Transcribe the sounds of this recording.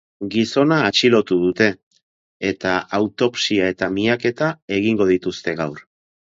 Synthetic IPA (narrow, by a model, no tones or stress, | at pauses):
ɡiso̞naːt͡ʃilo̞t̪uð̞ut̪e̞ː | t̪aawt̪o̞psiae̞t̪amiake̞t̪ae̞ɣ̞iŋɡo̞ð̞it̪ust̪e̞ɣawɾ